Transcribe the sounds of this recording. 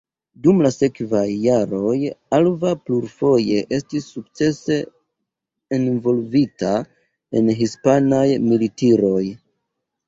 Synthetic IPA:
dumlase̞kvajːaɾo̞jalvapluɾfo̞je̞ʔe̞stisːuk̚t͡se̞se̞ | nvo̞lvita | e̞̰nɦispanajmilitiɾo̞j

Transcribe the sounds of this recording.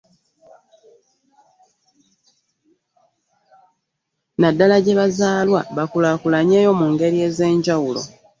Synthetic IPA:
nadːalaɟe̞βazaːlwa̰βakulakulaɲeːjo̞muŋɡe̞ɾie̞ːze̞ːɲɟawulo̞̰

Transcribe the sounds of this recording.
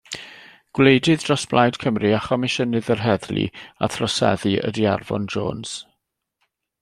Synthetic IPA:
ɡ̥wlejdɨðdrɔsb̥lˠajd̥kʰəmriaχɔmɪʃənɨðərɦɛðlḭa̰θrɔsɛ̰ðɨə̰diarvɔ̰nd͡ʒo̰ːnz̥

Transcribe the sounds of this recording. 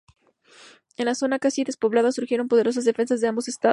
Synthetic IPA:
e̞nlaso̞nakasiðe̞spo̞βlaðasuɾxje̞ɾo̞mpo̞ð̞e̞ɾo̞s̬azðe̞fe̞ns̬azðeambo̞se̞st̪a

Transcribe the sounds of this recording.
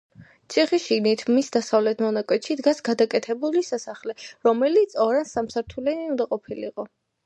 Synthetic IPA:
t̪sʰiχiʃinit̪ʰmisd̪asavlɛt̪ʰmɔnakʼwɛt̪ʃid̪ɡasɡad̪akʼɛt̪ʰɛbulisasaχlɛɾɔmɛlit̪sɔɾansamsaɾt̪ʰulɛniund̪aqʼɔpʰilḭqʼɔ

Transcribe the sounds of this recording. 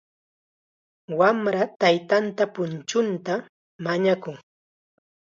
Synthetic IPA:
wamɾat̪ajt̪ant̪apʊnt͡ʃʊnt̪a | maɲakʊŋ

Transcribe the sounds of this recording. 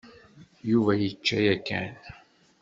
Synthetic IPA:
juvæjət͡ʃːæjækːæ̰n

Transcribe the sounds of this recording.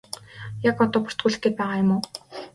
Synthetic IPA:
jakɔt̪ɔːpʊr̥t̪ɡuːɮɘ̆xɡeːt̪̚pæːʁaːjʊmoː

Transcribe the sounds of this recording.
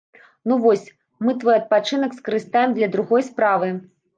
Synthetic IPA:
nuvɔsʲ | mɨt̪vɔjɐt̪̚pat͡ʂɨnɐkskɐɾɨst̪ajɛmd̪lʲɐd̪ɾuɣɔjspɾavɨ

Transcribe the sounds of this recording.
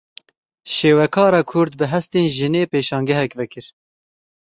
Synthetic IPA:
ʃeːwɛkʰɑːɾɑːkʰʊɾd̪̚bɨɦɛst̪eːnʒɨneːpeːʃɑːŋɡɛɦɛkvɛkɨɾ

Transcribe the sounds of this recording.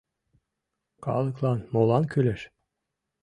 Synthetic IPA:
kʰɑ̰lˠɯklˠɑnmolˠɑnkʰyleʃ

